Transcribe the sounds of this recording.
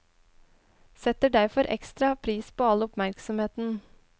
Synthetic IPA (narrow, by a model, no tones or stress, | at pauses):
sɛt̪əɖæɾfɔɾʔɛ̰kst̪ɾɑpʰɾiːspʰoːɑləɔpmæɾksɔmheːt̪n̩